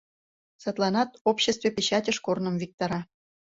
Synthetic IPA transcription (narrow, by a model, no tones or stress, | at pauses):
sɑt̪lˠɑnɑt̪opɕest̪vepʲet͡ɕɑtʲəʃkornəmvik̚t̪ɑɾɑ